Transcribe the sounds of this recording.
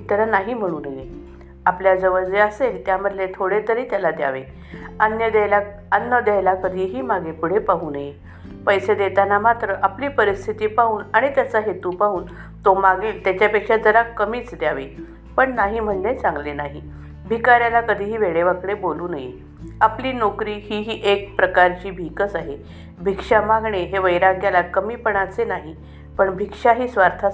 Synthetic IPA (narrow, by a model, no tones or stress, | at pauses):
t̪əlanaɦim̤əɽ̃uːnəje | apljad͡zəʋəd͡zeəselt̪jaməd̪let̪ʰoɽet̪əɾiːt̪jalad̪ja̰ʋe | ənjəd̪ajla | ənːəd̪jajlakəd̪ʱiɦiːmaɡepuɽ̤epaɦuːnəje | pəjsed̪et̪anamat̪ɾəʔapliːpəɾist̪ʰit̪iːpaɦuːnaɽ̃it̪jasaɦet̪upaɦuːn | t̪omaɡelt̪jat͡ɕjapekʂad͡zəɾakəmiːt͡sd̪jaʋe | pəɳnaɦim̤əɳd͡ʑet͡sãŋɡlenaɦi | bʱikaɾjalakəd̪ʱiːɦiːʋeɭeʋəkɽeboluːnjḛ | apliːnokɾiːɦiːɦiːʔek̚pɾəkaɾt͡ɕiːbʱikət͡saɦe | bʱikʂamaɡɳeɦeʋəjɾaɡjalakəmiːpəɳat͡senaɦi | pəɳbʱikʂaɦiːsʋaɾt̪ʰa